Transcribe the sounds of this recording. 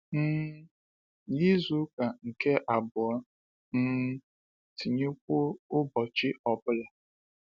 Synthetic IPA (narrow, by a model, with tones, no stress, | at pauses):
n̩ː˦ | ɲi˦zu˦ka˨ŋ̩˨ke˦ʔa˨bʊ˨ɔ˦ | n̩˦ | ti˨ɲe˦kʷʊ˦ʊ˦bɔ˨t͡ʃɪ˦ɔ˨bʊ˦la˨